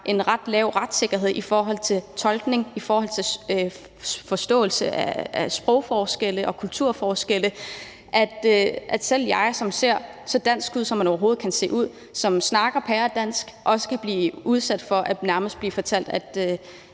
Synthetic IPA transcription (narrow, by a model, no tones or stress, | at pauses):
ʔe̝nʁɑ̈d̥lɛʊ̰ʁad̥se̝ɡ̥ɐɦe̝ð̞̰ˠifɒːɦɒ̽l̰t͡sʰe̝lt͡sʰɒ̽lɡ̥ne̝ŋifɒːhɒ̽l̰t͡sʰe̝ø | fɒ̽sd̥ɔ̰̽ːl̩səʔææsb̥ʁɔʊ̰fɒːsɡ̥el̰əʔɒ̽kʰult͡sʰuɐ̰fɒːsɡ̥elə | ʔæd̥ʔæd̥sel̰jɑ̈ɪsɒ̽mse̝ɐ̰ | sɒ̽d̥æn̰sɡ̥uð̞̰ˠsɒmːænɒʊɐɦo̝ːð̩ˠkʰænse̝̰ːuð̞̰ˠ | sɒ̽msnɑ̈ːɡ̥ɐpʰæɐd̥æn̰sɡ̥ʔɒ̽sə̥kʰæb̥liːuð̞ˠsæd̥fɒ̽ʔænæɐməsd̥̚b̥liːfɒ̽t͡sʰæl̰d̥æd̥ø